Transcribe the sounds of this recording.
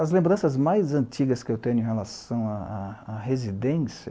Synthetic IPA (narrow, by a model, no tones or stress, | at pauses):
ɐzlẽmbɾɐ̃sɐzmajzɐ̃nt͡ʃiɡɐskɪewt̪ẽɲʊẽhelasɐ̃w̃aaːɦezid̪ẽsiɐ